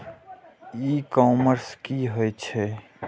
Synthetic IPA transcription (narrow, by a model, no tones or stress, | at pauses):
ikɔːməɾskiɦojt͡ʃʰɛ